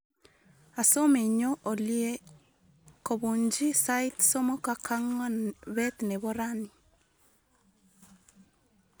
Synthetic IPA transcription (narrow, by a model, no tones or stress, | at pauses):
asomeɲoʔolje | koβuɲd͡ʒisait̪somokakʰaŋwaβɛt̪neβoɾani